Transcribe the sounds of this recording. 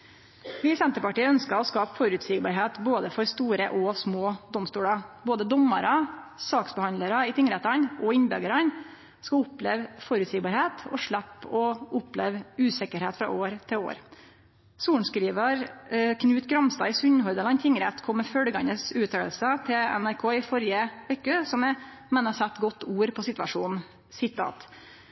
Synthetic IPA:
ʋɪsɛnt̪əpɑʈiːəœnskɑɔskɑːpfɔɾʉt̪sɪːɡbɑɾɦeːt̪boːd̪əfɔɾst̪uːɾəʔɔsmoːd̪ɔmst̪uːɽɑboːd̪əd̪ɔmːəɾɑsɑːksbəhɑnd̪əɾɑɪt̪ʰɪŋəɾɛt̪ɑnʔɔɪnbɛ̰ɡəɾɑn | skɑʊpleːʋfɔɾʉt̪sɪːɡbɑːɾheːt̪ʰɔ̰ʂɭæpːɔʊpleːʋʉːsɛkəɾheːt̪fɾɑ̰ʔoːɾt̪ʰɪlo̰ːɾ | suːlɳ̩skɾiːʋəɾkʰnʉːt̪ɡɾɑmst̪ɑ̰ːɪsʉnːhɔɾd̪əlɑnt̪ʰɪŋːəɾɛt̪kʰɔmːəfœɖəɡɑnəsʉːt̪ʰøːəlsət̪ʰɪlɛ̰næɾkʰoːɪfɔɾɪəʋɛkːəsɔmɛ | mɛnːɑsɛt̪ːɡɔt̪ːuːɾpʰɔsɪt̪ʋɑ̰ʂuːn | sɪt̪ʰɑ̰ːt̪

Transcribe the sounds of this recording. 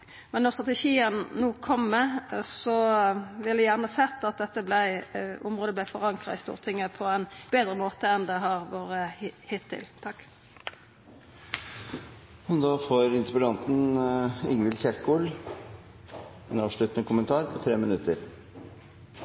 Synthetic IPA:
mɛnːɔʁst̪ʁɑt̪ɛʃiːənnuːkʰɔmːɛsɔʋɪlɛjæːʁnəhɑsɛt̪ːɑt̪̚d̪ɛt̪ːəblæɪʊmʁoːd̪əblæɪfɔʁɑŋkʁɑɪst̪ṵːʁt̪ʰɪŋːəpʰɔɛnb̥eːd̪ʁəmoːt̪əɛnd̪ɛɦɑʁʋoːʁəhɪt̪ʰːɪ̰lt̪ʰɑkː | hɔd̪ɑːfoːɾɪnɾəbəd̪ɑnt̪n̩ɪŋʋɪlçɛɾkul | ɛnɑːʋʂɭʉːt̪ənəkʰʊmənt̪ʰɑːɾpʰɔt̪ʰɾeːmənʉt̪əɾ

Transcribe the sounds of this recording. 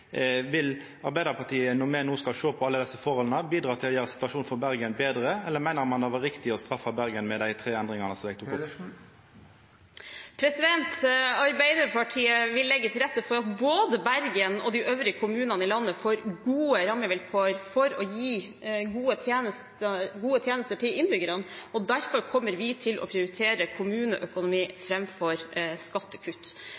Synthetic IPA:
ʋɪl | ɑɾbæɪd̪əʁpʰɑʈ̪ʰiːənɔmɛnuːskɑlʂoːpʰɔɑlːəd̪ɛsːəfɔɾhɔlnəbiːd̪ʁɑːt̪ʰɪlɔjæːʁəsɪ̥t̪ʋɑʃuːnfɔɾbæɾɡənbeːd̪ɾəɛlːəɾmæɪnəʁmɑnd̪ɛʋɑʁɪkt̪ɪɔst̪ɾɑfːɑbæɾɡənmɛd̪æɪt̪ʰʁeːɛnd̪ʁɪŋɑnəsɔmɛːɡ̚t̪ʰʊkkʊ | pʰɾɛsɪd̪ɛnt̪ɑɾbæɪd̪əɾpʰɑʈʰiːəʋɪlːɛɡːət̪ʰɪlɾɛt̪ːəfɔɾɑt̪boːd̪əbæɾɡənɔ̰d̪ɪʔøːʋɾɪəkʰʊmʉːnɑnəɪlɑnːəfoːɾɡuːəɾɑmːəʋɪlkʰoːəɾfɔɾɔjiː | ɡuːət̪ʰjeːnəst̪əɡuːət̪ʰjeːnəst̪əʈʰɪlɪnbʏɡəɾənɔd̪æɾfɔɾkʰɔmːəɾʋɪt̪ʰɪlʔɔ̰pʰɾɪʊɾɪt̪ʰeːɾəkʰʊmʉːnəʔœkʊnʊmiːfɾɛmfɔɾskɑt̪ːəkʰʉt̪

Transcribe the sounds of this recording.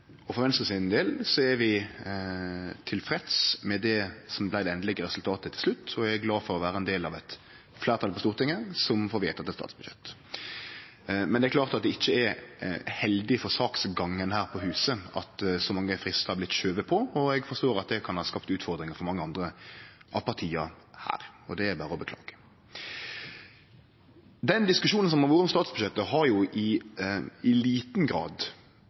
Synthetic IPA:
ɔfɔɾɛnssɪnd̪eːlsɔɛɾʋɪ | t̪ʰɪlfɾɛt̪smɛd̪ɛsɔmblæɪd̪ɛɛnd̪lɛɡəɾɛsʉlt̪ʰɑːt̪ət̪ʰɪlslʉt̪ːɔɛɡæɾɡlɑːfɔɾɔʋæːɾəɛnd̪eːlɑʋɛt̪ | flæːɾt̪ɑlpɔst̪uːɾt̪ɪŋːəsɔmfɔːɾʋeːt̪ɑt̪ɛt̪st̪ɑ̰ːt̪sb̥ʉd̪jɛ̰t̪ː | mɛnd̪ɛæɾkʰlɑːʁt̪ɑt̪̚d̪ɛɪçːəɛɾhɛld̪ɪfɔɾsɑːksɡɑŋːənhæːɾpʰɔhʉːsəɑ̰t̪sɔmɑŋːəfɾɪst̪əhɑɾblɪt̪ːʃøːʋəpʰɔɔɛɡfɔɾst̪oːɾɑt̪̚d̪ɛkʰɑnhɑːskɑpt̪ʉːt̪fɔɾd̪ɾɪŋəfɔɾmɑŋːəɑnd̪ɾəʔɑ̰ʋpʰɑʁt̪ʰiːɑhæ̰ːɾɔd̪ɛæɾbæːɾəɔbəklɑ̰ːɡ̥ə̥ | d̪ɛnd̪ɪskʉʃuːnəns̬ɔmhɑʋuːɾəɔmst̪ɑːt̪sbʉʃɛt̪ːəɦɑɾjʊʔɪ | ɪliːt̪n̩ɡɾɑ̰ːd̪

